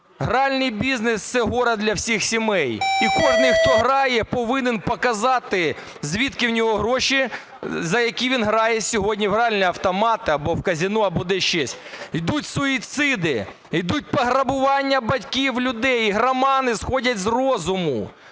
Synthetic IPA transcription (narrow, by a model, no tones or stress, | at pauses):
ɦɾɑlʲnɪjbʲiznest̪sɛɦɔɾɐd̪lʲɐwsʲixsʲimɛjikɔʒnɪjxt̪ɔɦɾɑjɛpɔʋɪnɪnpɔkɐzɑt̪ɪ | zʲʋʲit̪kɪwnʲɔɦɔɦɾɔʃi | zɐjɐkʲiʋʲinɦɾɑjɛsʲɔɦɔdʲnʲiɦɾɑlʲnɛɐwt̪ɔmɑt̪ɪɐbɔwkɐzʲinuɐbɔd̪ɛʃt͡ʃɛsʲ | jd̪utʲsɔit̪sɪd̪ɪ | jd̪ut̚ʲpɐɦɾɐbʊʋɑnʲːɐbɐtʲkʲiwlʲʊd̪ɛjiɦɾɐmɑnɪsxɔdʲɐtʲzrɔzʊmʊ